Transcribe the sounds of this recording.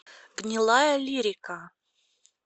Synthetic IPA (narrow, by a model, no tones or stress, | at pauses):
ɡ̥nʲɪlˠajɐlʲiɾʲɪkɐ